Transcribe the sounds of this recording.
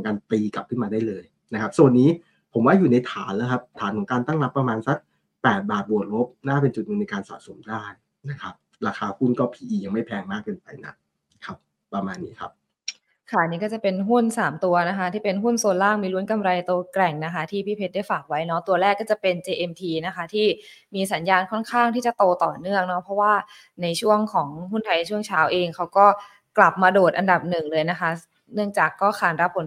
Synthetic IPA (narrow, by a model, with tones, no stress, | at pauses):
ŋkaː˧nt̪iː˧ka˨˩p̚kʰɯ˥˩maː˧daː˥˩jlɤː˧j | na˦˥kʰa˦˥p̚su˨˩ənːiː˦˥ | pʰo˩˦mwaː˥˩juː˨˩na˧jt̪ʰaː˩˦nləː˦jkʰa˦˥p̚t̪ʰaː˩˦nkʰɔ˨˩˦ŋkaː˧nt̪a˥˩ŋɾa˦˥pːɾa˧maː˧nsa˦˥k̚ | pɛː˨˩t̪̚baː˨˩t̪̚bu˨˩ət̪̚ɾo˦˥p̚naː˥˩pe˧nt͡ɕu˨t̪̚nu˨˧˩na˧jkaː˧nsa̰ː˨˩so˩˦mdaː˥˩j | na˦˥kʰa˦˥p̚ | ɾaː˧xʰaː˧hu˥˩nkɔː˥˩pʰiː˨˩ʔiː˨˧ja˧ŋma˥˩jpʰɛː˧ŋmaː˥˩kːɤː˧npa˧jna̰˦˥ | kʰa˦˥p̚ | pːɾa˧maː˧nːiː˦˥kʰa̰˦˥p̚ | kʰa˦˥˩niː˦˥kɔː˥˩t͡ɕa˨˩pe˧nɦu˥˩nsaː˩˦mt̪u˧ɐna˦˥kʰa˦˥t̪ʰiː˥˩pe˧nɦu˥˩nso˧nlaː˥˩ŋmiː˧lu˦˥nka˧mɾa˧jt̪o˧ɐklɛ˨˩ŋna˦˥kʰa˦˥t̪ʰiː˥˩pʰiː˥˩pʰe˦˥t̪̚daː˥˩jfaː˨˩k̚wa˦˥jnɔ˦˥t̪u˧ɐlɛː˥˩kːɔː˥˩t͡ɕa˨˩pe˧nt͡ɕeː˧ʔe˧mt̪ʰiː˧na˦˥kʰa˦˥t̪ʰiː˥˩miː˧sa˩˦njaː˧nkʰɔ˥˩nkʰaː˥˩ŋt̪ʰiː˥˩t͡ɕa˨˩t̪oː˧t̪ɔː˨˩nɯ˥˩əŋnɔ˦˥pʰɔ˦˥waː˥˩ | na˧jt͡ɕʰu˥˩əŋkʰɔː˩˦ŋɦu˥˩nt̪ʰa˧jna˧jt͡ɕʰu˥˩ŋt͡ɕʰaː˦˥wʔeː˧ŋkʰa˦˥wkɔː˥˩ | kla˨˩p̚maː˧doː˨˩t̪̚ʔa˧nda˨˩p̚nɯ˨˩ŋlɤː˧jna˦˥kʰa˦˥ | nɯ˥˩əŋt͡ɕaː˨˩kːɔː˥˩xaː˨˩nɾa˦˥pʰːo˩˦n